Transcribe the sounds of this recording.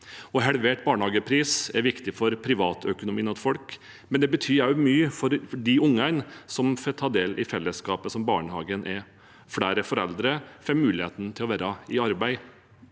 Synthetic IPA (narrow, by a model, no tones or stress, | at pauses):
ɔɦɛlʋeʈ̚bɑːɳəhɑːɡəpʰɾiːsɛɾʋɪkt̪ɪfɔɾpʰɾɪʋɑːt̪ʰœkʊnʊmiːnɑt̪fɔlk | mɛnd̪ɛbət̪ʰyːjɑʉmyːəfɔɾfɔɖɪʊŋːæɪnsɔmfɛt̪ʰɑːd̪eːlʔɪfɛlːəskɑːpəsɔmbɑːɳəhɑːɡənʔɛ | fɽæːɾəfɔɾɛ̰ld̪ɾəfɛmʉːlɪheːt̪nt̪ʰɪlɔʋæːɾɑɪɑɾbæɪ